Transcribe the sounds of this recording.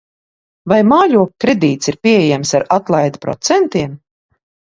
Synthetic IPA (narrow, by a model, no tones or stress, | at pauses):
vajmaːʎʲuɔkkːɾɛd̪iːt̪siɾpʲiɛejæmsaɾat̪lˠajd̪pɾɔ̰t̪sɛnt̪iɛm